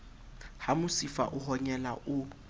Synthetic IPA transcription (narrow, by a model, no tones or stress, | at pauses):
hamʊsifa̰ʔʊɦɔɲɛlaʔʊ